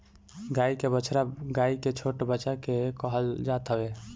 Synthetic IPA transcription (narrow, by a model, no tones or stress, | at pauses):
ɡaikebət͡ʃʰɾaɡaiket͡ʃʰoʈbət͡ʃakekəɦəld͡ʒat̪ɦəbe